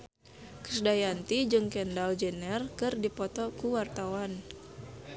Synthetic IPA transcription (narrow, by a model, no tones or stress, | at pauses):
kə̥sdajant̪id͡ʒɨŋkɛndald͡ʒɛnɛrkɨrdipɔt̪ɔkuwart̪awan